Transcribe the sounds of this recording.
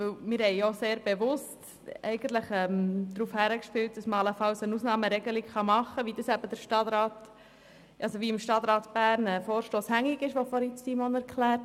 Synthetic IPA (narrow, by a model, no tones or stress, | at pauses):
ʋɵwmɪːɾhɛɪoseːɾb̥eʋʊst | ɛ̰ɪɡ̥ənt̪ləχɛmd̥̪ɾuːfhæɾəkʃpɪlt̚d̥ɑsməɑləfɑlsənusnɑːməɾɛɡəlikχɑmɑχːəʋidəsæb̥əd̥̪əɾʃtɑt̪ɾɑːt | ʔɑsoʋiɪmʃtɑt̪ɾɑːtb̥æːɾnɛfoːɾʃtoːshæŋiɡɪʃʋofɔɾit͡ssimɔnæɾkʰlæːɾt